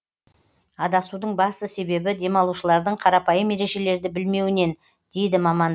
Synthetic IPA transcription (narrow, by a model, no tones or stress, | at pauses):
ɑd̪ɑsud̪əɴbɑst̪əse̞be̞bɪd̪e̞mɑlˠuʃəlˠɑɾd̪əɴqʰɑɾɑpɑjəmːe̞ɾe̞ʒe̞le̞ɾd̪ɪbɪlme̞wɪne̞n | d̪̥e̞jd̪ɪmɑmɑn